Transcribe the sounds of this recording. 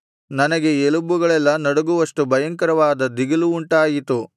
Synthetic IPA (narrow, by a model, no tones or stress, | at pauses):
nɐnɐɡe̞elubuɡɐɭɛlːɐnɐɽuɡuʋɐʂʈubɐjɐŋkɐɾɐʋaːd̪ɐd̪iɡɐluːɳʈaːjit̪u